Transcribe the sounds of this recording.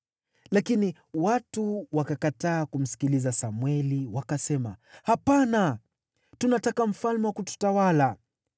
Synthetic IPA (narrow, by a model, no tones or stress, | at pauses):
lakini | watuwakakataːkum̩si̥kilizasamwɛliwakasɛma̰hapana | tunatakam̩falmɛwakutu̥tawala